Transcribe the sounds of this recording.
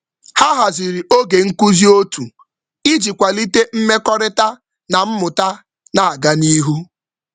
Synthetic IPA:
ha˦ɦa˨zi˨ɾi˨o˦ɡe˨ŋ̩˦ku˦zi˦o˦tu˨ | i˦d͡ʒi˨kʷa˨li˦te˦m̩˦me˦kɔ˦ɾɪ˦ta˦ | na˨m̩˦mʊ˨ta˦ | na˨a˨ɡa˦ni˦ɦu˦

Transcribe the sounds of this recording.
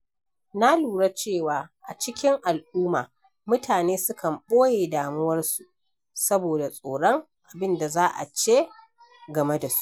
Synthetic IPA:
na˦luː˨ɽa˦t͡ʃeː˦˨waː˨ʔa˨t͡ʃɪ˦kʲɪ˦ŋʔa˨lʔuː˦maː˨ | mʊ˦tʰaː˨neː˦sʊ˦kʰɐ˨mɓoː˦jeː˨daː˨mʊ˦wɐ˦rsu˨ʔ | sɐ˦boː˨da˨sʼoː˨ɽɔ˦ŋ | ʔa˨bɪ˦nda˨zaː˦ʔa̰˨t͡ʃeː˦ | ɡɐ˨me˦da˨su̥˦ʔ

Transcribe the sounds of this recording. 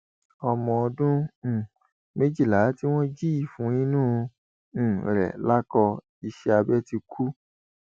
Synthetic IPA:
ɔ˧mɔ̃˧ɔ˧dũ˦˨ | me˦d͡ʒi˦˨la˨˦ti˦w̃ɔ̃˦d͡ʒi˦i˦˨fũ˨˧˦ĩ˦nũː˦˨ | ɾɛ̰˨la˦kɔ˧ | i˧ʃɛ˧a˧bɛ˦ti˧kʰu˦

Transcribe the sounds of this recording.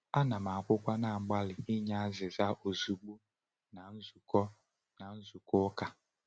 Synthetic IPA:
a˦na˨ma˨a˨kʷʊ˦kʷa˦na˦˨ŋ͡m̩˨ɡ͡ba˦lɪ˨ɪ˦ɲa˦a˦zɪ˨za˦ʔo˨zu˨ɡ͡bu˦ | na˨n̩˦zu˨kɔ˦ | na˨n̩˦zu˨kʊ˦ka˨

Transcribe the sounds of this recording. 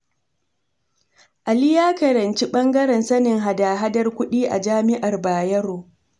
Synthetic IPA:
ʔa˨li˦jaː˦kɐ˨ɾɐ˨nt͡ʃi˦ɓɐ˦ŋɡɐ˦ɾɛ˨nsɐ˦nɪ˨ŋɦa˨daː˨ɦa˦dɐ˦rkʷʊ˦ɗiː˦ʔa̰˨d͡ʒaː˦mɪ˦ʔa˨rbaː˨jɐ˦ɾoː˨

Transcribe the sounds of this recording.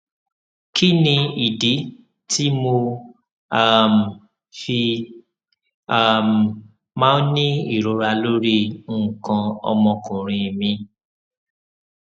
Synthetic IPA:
kʰi˦nĩ˧i˨di˨˦ | tʰi˦mo˧ | a˦˨m˨ | fi˧ | a˦˨m˨ | mãː˦nĩ˦i˦˨ɾo˨˦ɾa˧lo˦ɾi˦˨kã˧ɔ̰˧mɔ̃˧kũ˨ɾ̃ĩ˨˧˨mĩ˧

